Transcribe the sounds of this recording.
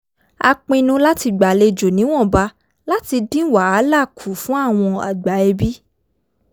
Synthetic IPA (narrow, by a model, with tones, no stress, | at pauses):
a̰˧k͡pĩ˧nũ˧la˦ti˧ɡ͡ba˨le˧d͡ʒo˨nĩ˨˦w̃ɔ̃˦˨ba˧˦ | la˦ti˧dĩ˦wa˨a˨˦la˦˨kʰu˨˦fũ˦a˦˨w̃ɔ̃˧a̰˨ɡ͡ba˨˦ɛ˧bi˦